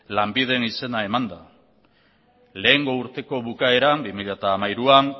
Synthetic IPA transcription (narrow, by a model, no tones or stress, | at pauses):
lambið̞e̞nise̞nae̞mand̪a | le̞ːŋɡo̞uɾt̪e̞ko̞βukae̞ɾambimiʎat̪aːmajɾuan